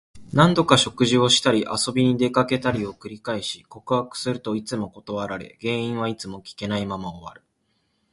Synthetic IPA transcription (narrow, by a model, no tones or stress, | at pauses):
nãnd̪o̞kaɕo̞kɯ̟ʑio̞ɕi̥t̪aɾʲiʔaso̞bʲiɲ̟id̪e̞kake̞t̪aɾʲio̞kɯ̟ɾʲikaiɕi̥ko̞kɯhakɯ̟̥sɨɾɯ̟t̪o̞it͡sɨmo̞ko̞t̪o̞βaɾaɾe̞̰ɡẽ̞ːĩɰ̃β̞ait͡sɨmo̞kʲi̥ke̞naimamaoβa̰ɾɯ̟̥